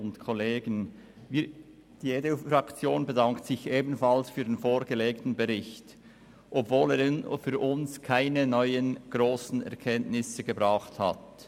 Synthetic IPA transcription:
ʊntkʰoleːɡən | vi | d̥ijeːdəfɾɑkt͡sjoːnbədɑŋktsɪçʔeːbn̩fɑlsfyːʁdenfoːɾɡəleːktn̩beʁɪçt | ʔɔbvoːleːfyːɾʔʊnskʰaɪnənɔʏənɡ̥ʁoːsn̩ɛ̰ɐʁkʰɛntnɪsəɡəbʁɑːχthɑ̰t

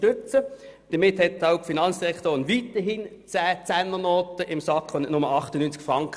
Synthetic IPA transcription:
tʏt͡səd̥əmɪthɛtaʊkfinɑnt͡ssd̥iʁɛktoːnʋitəɦiːn | t͡sæːt͡sænːənoːtəʔɪmsɑkχonnʊməɑχtənyːnt͡skfʁɑŋk

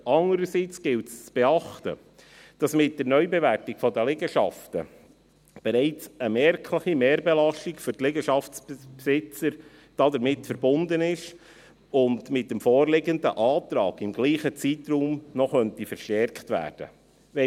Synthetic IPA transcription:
ɑŋəɾəsit͡sɡ̥ɪltst͡sb̥eɑχtə̰ | d̥ɑsmɪt̚dəɾnœʏbɛværtɪɡ̥fɔdəlɪɡəʃɑ̰ftə̰ | b̥ɛɾɛɪt͡səmɛɾkʰləχimeːɾbɛlɑʃtikfʏɾtlɪɡəʃɑftsppsɪt͡səɾ | d̥ɑdəɾmɪtfəɾbʊnd̪ənɪʃ | ʊndmɪt̚ːəmfɔːrlɪɡəndə̰ʔɑːt̪ɾɑ̰ːɡɪmɡ̥liːχət͡siːt̪ruːmnɔχœntifəɾʃtɛɾktʋæ̰ːrd̥ə̰ | ʋɛ

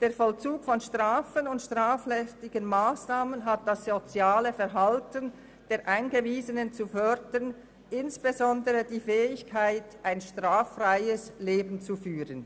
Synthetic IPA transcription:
d̥eːɐfɔlt͡suːkfɔnʃtʁ̥aːfənʊntʃtʁ̥aːflɛstɪɡənmaːsnaːmənɦat̚d̥asz̥ot͡sjaːləfɛʁɦaltən | d̥eːʁʔaɪnɡəviːzənənt͡sufœdən | ʔɪnsb̥ezɔndəʁədiːfɛːɪçkʰaɪtʔaɪnʃtʁ̥aːfʁaɪəsleːbn̩t͡sufyːʁən

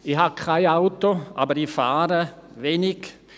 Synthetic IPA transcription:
ihakʰaɪaʊtoʔa̰ːbəɾifaːɾəveːnɪɡ

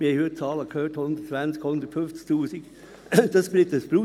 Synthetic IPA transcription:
mɪheɪhyət͡sɑːləkʰhøːthʊnd̥̪ətt͡svant͡skhʊnd̪ətfʏnft͡sk̚tuːsik | d̥ɑsb̥ɾɪtəsb̥ɾu

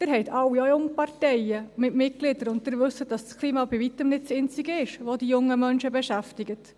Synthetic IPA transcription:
d̥ɪɾɦɛɪtʰɑwːiojʊŋəpɑɾtɛɪəmɪtmɪt̚klɪdəɾʊnttɪɾʋɵsːət̚d̥ɑsskʰliːmɑbiʋitəmnɪtsɪnt͡siɡəɪʃʋodijʊŋːəmœnʃəbɛʃæftɪɡət

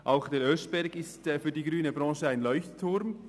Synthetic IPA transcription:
ʔaʊxd̥eɾœsb̥ɛɾɡɪstːfyːɐdiːɡʁyːnəbʁɾɑ̃ːʃəaɪnlɔʏçttʰːʊɾm

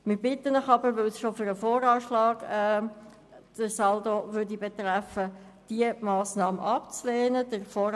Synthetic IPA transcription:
mɪɾbɪt̪ːənəχɑbəɾʋɛlsʃofʏɾəfoːɾɑːʃlɑːɡ̥ɛ | d̥əɾsɑld̪oʋʏɾdibet̪ɾæfə | d̥iəmɑːsnɑːməʔɑpt͡slɛːnədəɾfoːɾ

